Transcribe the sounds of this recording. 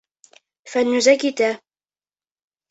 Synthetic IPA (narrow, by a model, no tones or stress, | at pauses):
fanːʊzakːɪt̪a